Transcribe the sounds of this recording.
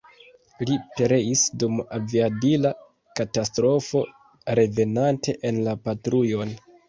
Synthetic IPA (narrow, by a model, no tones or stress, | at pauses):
lipe̞ɾe̞isdumaviabila | katastɾo̞fo̞ | ɾe̞ve̞nantʰe̞ʔenlapatɾujo̞n